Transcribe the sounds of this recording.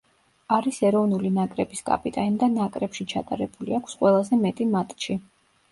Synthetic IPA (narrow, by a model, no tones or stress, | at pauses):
aɾisɛɾɔvnulinakʼɾɛbiskʼa̰pʼit̪ʼand̪anakʼɾɛpʃit͡ʃʰa̰t̪ʼaɾɛbuliakʷʰsqʼwɛlˠazɛmɛt̪ʼimat̪ʼʃi